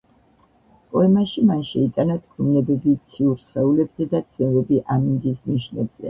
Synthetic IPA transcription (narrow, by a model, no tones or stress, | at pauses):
pʼɔɛmaʃimanʃɛit̪ʼanat̪ʰkʰumnɛbɛbit̪sʰiuɾsχɛulɛbzɛd̪at̪sʰɛvɛbiʔamiŋɡ̪isniʃnɛbz̥ɛ̰